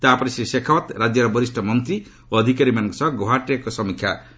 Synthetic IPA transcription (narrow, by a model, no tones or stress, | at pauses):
t̪apɔɾisisekʰawɔt̪ɾad͡ʒjɔɾɔbɔɾisʈʰɔmɔnt̪ɾi | oɔd̪ʱikaɾimanɔ̃ŋkɔsɔɡoɦaʈakosɔmikʰja̰